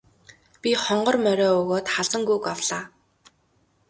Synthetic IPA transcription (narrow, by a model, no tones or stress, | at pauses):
pʲiχɔɴɢɞ̆rmœɾʲɔːɵɣoːt̪χaɮsə̆ŋɡukawɮaː